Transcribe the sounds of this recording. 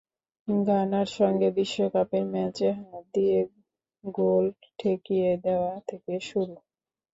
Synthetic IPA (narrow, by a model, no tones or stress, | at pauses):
ɡʱanaɾʃɔŋɡebiʃːokapeɾmɛt͡ɕeɦaad̪ije | ɡol | ʈʰekijed̪eoat̪ʰekeʃuɾu